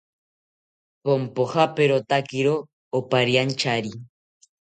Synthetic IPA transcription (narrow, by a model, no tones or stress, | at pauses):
pompoxapeɾot̪akiɾoː | paɾjant͡ʃaɾi